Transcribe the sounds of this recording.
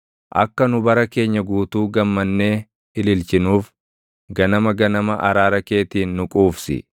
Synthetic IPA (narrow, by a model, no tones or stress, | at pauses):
ʔɐ̰kːɐnʊbɐɾɐke̞ːɲːɐɡuːt̪uːɡɐmːɐnːe̞ː | ɪlɪlt͡ʃɪnuːf | ɡɐnɐmɐɡɐnɐmɐʔɐɾaːɾɐkeːt̪iːnːʊkʼuːfsɪ̰